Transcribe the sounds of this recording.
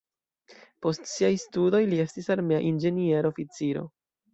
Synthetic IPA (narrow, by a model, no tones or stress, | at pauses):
po̞stsiajstudo̞jlie̞stisaɾme̞a̰ʔind͡ʒe̞nie̞ɾofit͡siɾo̰